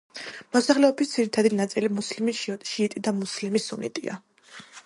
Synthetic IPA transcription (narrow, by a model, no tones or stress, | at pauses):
mɔsaχlɛɔbisd̪ziɾit̪ʰad̪inat̪sʼilimuslimiʃiːt̪ʼid̪amuslimisunḭt̪ʼḭa̰